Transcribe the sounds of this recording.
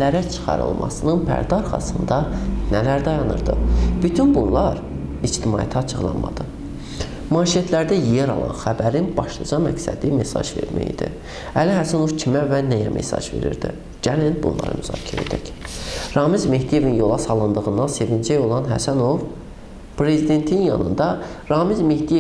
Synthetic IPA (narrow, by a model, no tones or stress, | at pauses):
læɾæt͡ʃʰɯ̥χɑ̰ɾɯ̰lˠmʔɑ̰sɯnɯnpʰæ̰ɾd̪ɑɑɾχɑ̰sɯnd̪ɑnælæɾd̪ɑjɑnɯ̰ɾd̪ɯb̥yt̪ʰynbunlˠɑɾ | id͡ʒt̪ʰimɑ̰ːjæ̰t̪ʰɑt͡ʃʰɯɣlˠɑ̰nmɑ̰d̪ɯ | mɑːʃijet̪ʰlæɾd̪æjeɾɑ̰lˠɑ̰nxæbæɾinb̥ɑʃlˠɑd͡ʒɑmæcsæ̰d̪imesɑ̰ʒve̞̰ɾmæ̰jḭd̪ḭ | ælihæsæno̞vcʰimævænæjæmʔḛsɑ̰ʒve̞̰ɾḭɾd̪ḭ | ɟ̥ælinbṵnlˠɑ̰ɾɯ̰myzɑ̰ːcʰiɾḛd͡ʒ̪æc | ɾɑːmizme̞hd̪ije̞vinjo̞lˠɑsɑlˠɯnd̪ɯɣɯnd̪ɑnse̞vind͡ʒæjo̞lˠɑnɦæ̰sæno̞v | pɾe̞zid̪e̞nt̪ʰinjɑ̰nɯ̰nd̪ɑ | ɾɑːmizme̞hd̪ije